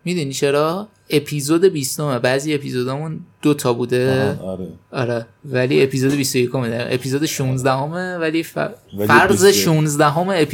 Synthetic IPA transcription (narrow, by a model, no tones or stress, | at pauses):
mid̪unit͡ʃʰe̞ɾɒː | e̞pʰiːzod̪e̞bist̪o̞mebæːzie̞pʰizod̪ɒːmũnd̪̥ot̪ʰɒbuːd̪e̞ɾɒɾɛvæliːe̞pʰiːzod̪e̞bist̪oje̞kʰo̞med̪æʔepʰiːzod̪eʃunzd̪æɦo̞mevæliːffæɾzeʃunzd̪æɦomeːpʰ